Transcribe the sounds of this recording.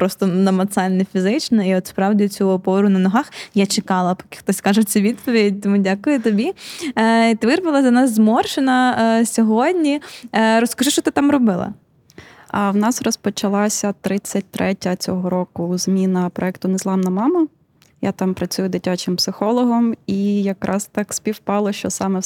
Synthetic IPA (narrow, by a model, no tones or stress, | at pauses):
pɾɔst̪ɔnɐmɐt̪sɑlʲnɛfʲizɪt͡ʃnɔiɔt̪spɾɑwdʲit͡sʲuɔpɔɾʊnɐnɔɦɑxjat͡ʃekɑlˠɐpɔ̥kɪ̥xt̪ɔsʲkɑʒɛt͡sʲɛʋʲid̪pɔʋʲidʲt̪ɔmudʲakʊjʊt̪ɔbʲi | it̪ɪʋɪrʋɐlˠɐzʲɐnɑzzmɔrʃɪnɐsʲɔɦɔdʲnʲiɾɔskɐʒɪʃt͡ʃɔt̪ɪt̪ɑmɾɔbɪlˠɐ̰ | ɐwnɑsrɔspɔt͡ʃɐlˠɑsʲɐt̪ɾɪt͡sʲːɐt̚ʲt̪ɾʔɛtʲɐt͡sʲɔɦɔɾɔkʊzmʲinɐpɾɔɛkt̪ʊnɛzlˠɑnɐmɑmɐ | ja̰t̪ɑmpɾɐt͡sʲujʊd̪ɪtʲat͡ʃɪmpsɪxɔlˠɔɦɔmijɐkɾɑst̪ɑkspʲiwpɑlˠɔʃt͡ʃɔsɑmɛ